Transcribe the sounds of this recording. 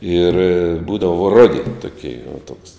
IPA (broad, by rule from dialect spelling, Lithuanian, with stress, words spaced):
ɪr ˈbuːdɐʋoː ˈroːdʲɪ toːˈkʲɛɪ ʊ toːks